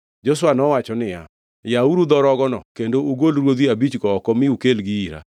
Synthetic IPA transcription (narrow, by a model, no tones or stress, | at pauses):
d͡ʒos̬wanɔwat͡ʃɔnɪja̰ | jauɾud̪ɔɾɔɡɔnɔ̰kendoʔuɡolɾwod̪iabit͡ʃɡɔːkɔmɪukelɡiiɾa̰